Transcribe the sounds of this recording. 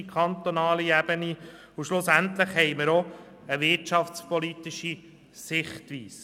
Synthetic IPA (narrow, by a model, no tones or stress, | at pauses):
kʰχɑnt̪onɑːliɛb̥əni | uʃlʊsænt̪ləχhɛɪməɾo | əʋɪɾtt͡ʃɑfspɔlit̪iʃi | sɪχtʋiːs